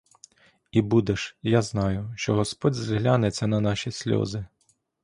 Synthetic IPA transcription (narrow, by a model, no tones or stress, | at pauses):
ibud̪eʃjaznɑjʊʃt͡ʃɔɦɔspɔdʲzɦlʲanet͡sʲːɐnɐnɑʃʲisʲlʲɔ̰zɪ